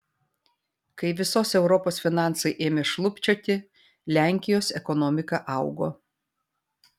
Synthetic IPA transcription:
kɐɪʋʲɪsoːsɛʊɾɔpoːsfʲɪnɑˑnsɐɪʔeːmʲeːʃlˠʊpʲt͡ʃʲoːt̪ʲɪ | lʲæˑŋʲkʲɪjoːsɛkɔnɔmʲɪkɐʔɐʊɡoː

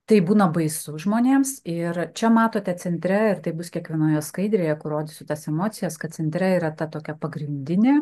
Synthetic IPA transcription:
t̪ɐɪbuːnɐbɐɪsʊʒmoːnʲeːmsɪrt͡ʃʲɛmɑːt̪oːt̪ʲɛt͡s̪ʲɛnʲt̪ʲɾʲɛɪrt̪ɐɪbʊskʲiɛkʋʲiɛnoːjɛskɐɪd̪ʲɾʲeːjɛkʊrroːd̪ʲɪsʲʊt̪ɐsɛmoːt̪sʲɪjɛskɐt̪̚t͡s̪sʲɛnʲt̪ʲɾʲɛiːɾɐt̪ɐt̪oːkʲɛpɐɡɾʲɪnʲd̪ʲɪnʲeː

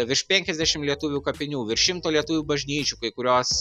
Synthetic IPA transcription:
ʋʲɪʃpʲɛŋʲkʲɛzʲd̪ʲæʃʲɪmlʲiɛt̪ʊʋʲuːkɐpʲɪnʲuːʋʲɪɾʃʲɪmt̪oːlʲiɛt̪ʊʋʲuːbɐʒʲnʲiːt͡ʃʲukɐɪkʊɾʲoːs

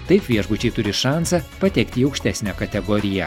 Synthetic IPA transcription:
t̪ɐɪpʋʲiɛʒbʊt͡ʃʲɛɪt̪ʊɾʲɪʃɑˑnsɐpɐt̪ʲɛkt̪ʲɪiːɐʊkʃʲt̪ʲæːsʲnʲɛkɐt̪ʲɛɡɔːɾʲɪjɛ

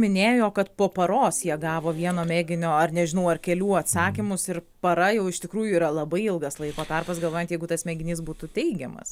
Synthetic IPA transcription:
mʲɪnʲeːjoːkɐt̪poːpɐɾoːsjiɛɡɑːʋoːʋʲiɛnoːmʲæːɡʲɪnʲoːɐrnʲɛʒʲɪnɐʊɐrkʲɛlʲuːɐt̪sɑːkʲɪmʊsɪɾ | pɐɾɐjɛʊɪʃt̪ʲɪkɾuːjʊiːɾɐlˠɐbɐɪɪlˠɡɐslˠɐɪkoːt̪ɑrpɐsɡɐlˠʋoːjnt̪jɛɪɡʊt̪ɐsmʲɛɡʲɪnʲiːsbuːt̪ʊt̪ʲɛɪɡʲɛmɐ̰s

